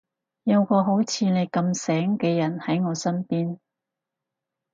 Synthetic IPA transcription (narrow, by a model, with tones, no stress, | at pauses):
jɐ˨˧wkɔː˧ɦo˨˥wt͡sʰiː˨˧ne˨˧jkɐ˧msɛː˨˥ŋkɛː˧jɐ˨˩nhɐ˨˥jŋɔː˨˧sɐ˥npiː˥n